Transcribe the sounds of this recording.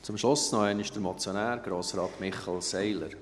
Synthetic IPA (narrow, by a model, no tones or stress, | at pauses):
t͡sʊmʃlʊsnɔɛnɪʃd̥əɾmɔt͡sjonæːɾɡ̥ɾoːsɾɑːtmɪχɑlsɛɪlə̰ɾ